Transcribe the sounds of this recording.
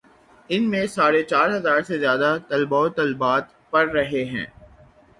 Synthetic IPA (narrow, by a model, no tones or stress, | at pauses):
ɪnmẽsaːɾet͡ʃaːɾɦɐzaːɾsezjaːd̪at̪ɐlbaːot̪ɐlbaːt̪ | pɐɾːɐɦeɦɛ̰̃ː